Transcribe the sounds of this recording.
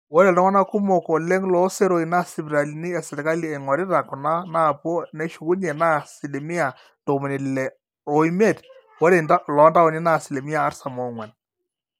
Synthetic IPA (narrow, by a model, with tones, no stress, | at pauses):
wɔ˦ɾɛ˨dɔ˦ŋɔ˦na˦ku˦mo˨kɔ˨le˦ŋlɔ˦se˦ɾo˨i˨na˦˨sɪ˨bɾa˨li˨ni˦ɛ˨sɛ˨ɾka˦li˨ɛ˨ŋɔ˨ɾɪ˦ɾa˨kɔ˨na˦na˦˨pɔ˦nɛ˦ʃu˨ku˦ɲɛ˨na˦si˨le˨mɪ˦a˨ | to˨mɪ˨nɪ˨lɛ˨ | o˨i˦mɛ˦˨t | wɔ˦ɾe˨na˦lɔ˨˦nda˦ɔ˨ni˦na˦˨sɪ˨le˨mɪ˦aː˨˦ɾsa˨mɔ˨ŋwɛ˨n